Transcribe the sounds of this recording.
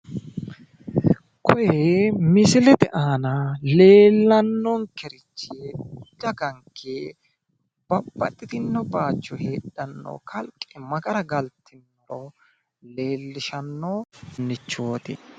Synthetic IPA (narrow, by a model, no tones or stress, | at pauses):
kʰɔjɛmɪsɪlɛd̪ɛ̰ʔaːnɐle̞ːlːɐnːɔŋkɛɾɪt͡ʃːɪeʊdːɐɡɐŋkʰːe | b̥ɐbːɐ̰t̪ʼːɪt̪ɪnːɔbaːt͡ʃːɔheːɗɐnːo̰ːkʰɐlkʼːɛmɐɡɐɾɐɡɐlt̪ʰːɪnːɔɾo | le̞ːlːɪʃɐnːonːɪt͡ʃːoːt̪ɪ